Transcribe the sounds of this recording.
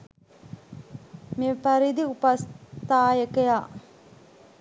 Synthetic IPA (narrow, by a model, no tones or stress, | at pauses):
mifɐɾid̪iupɐst̪aːjekejaːʔ